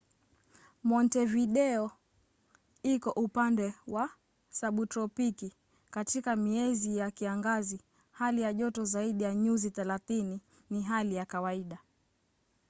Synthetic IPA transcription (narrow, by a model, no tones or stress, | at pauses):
mɔntɛviɗɛɔ | ikɔʔupandɛwʔa | saɓutɾɔpiki | katikamiɛzijakiaŋɡazi | halijaʄɔtɔzaiɗijaɲuziθɛlaθini | niɦalijakawaiɗa